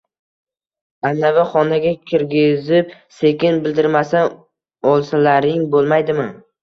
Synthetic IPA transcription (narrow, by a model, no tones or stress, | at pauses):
anːavɪχɒnaɡʲakʲʰɪɾɡʲɪzɪp̚se̞kʲɪnbɪld̪ɪɾmasa | ɒlˠsalaɾɪŋbolˠmajd̪ɪmɪ